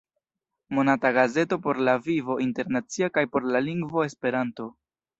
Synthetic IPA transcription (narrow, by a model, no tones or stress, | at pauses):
mo̞nataɡaze̞to̞po̞ɾlavivo̞ʔinte̞ɾnat͡siakajpo̞ɾlaliŋɡvo̞e̞spe̞ɾanto̞